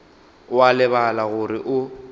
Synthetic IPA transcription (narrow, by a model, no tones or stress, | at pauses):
walɪβalaɣʊɾɪʔʊ